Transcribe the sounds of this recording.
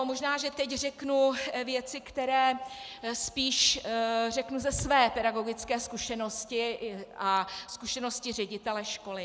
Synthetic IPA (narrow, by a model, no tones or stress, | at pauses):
omoʒnaːʒɛt̪ɛcr̝ɛknuvjɛt͡sɪkt̪ɛɾɛː | spiːʃr̝ɛknuzɛsvɛːpɛɾaɡo̞ɡɪt͡skɛːskuʃɛno̞scɪʔaskuʃɛno̞scɪr̝ɛɟɪt̪ɛlɛʃko̞lɪ